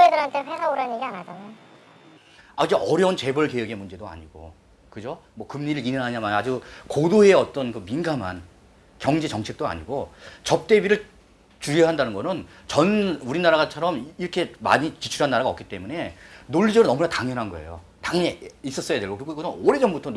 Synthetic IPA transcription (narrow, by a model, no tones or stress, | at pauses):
edɯɾantʰeɸesʰauɾaɲiɡianad͡ʑanajo | aid͡ʑeʔʌɾjʌunt͡ɕe̞bʌɭke̞weɡe̞mund͡ʑe̞doa̰ɲiɡ̥o̰ | kɯd͡ʑomwʌkɯmɲiɾɯɭinɯnɦaɲamajad͡ʑukodoɦeʌt͈ʌnkɯminɡaman | kjʌŋd͡ʑe̞t͡ɕʌŋt͡ɕʰe̞k̚t͈oa̰ɲiɡot͡ɕʌp̚t͈e̞biɾɯɭ | t͡ɕuɾjiɦandanɯnɡʌnɯnt͡ɕʌnuɾinaɾaɡat͡ɕʰʌɾʌmiɾʌkʰe̞ma̰ɲit͡ɕit͡ɕʰuɾɦanːaɾaɡaʌk͈it͈e̞mune̞noʎːid͡ʑʌɾonʌmunataŋjʌnɦanɡʌe̞̰jo̰ | taŋɲeis͈ʌs͈ʌjadwe̞ɭɡokɯɾiɡoiɡoʌnoɾed͡ʑʌmbutʰʌ